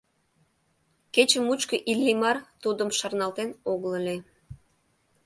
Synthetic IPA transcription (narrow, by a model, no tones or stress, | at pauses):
ket͡ɕəmut͡ɕkəʔilijmɑrt̪ud̪ə̆mʃɑrnɑlt̪enoɣləlʲe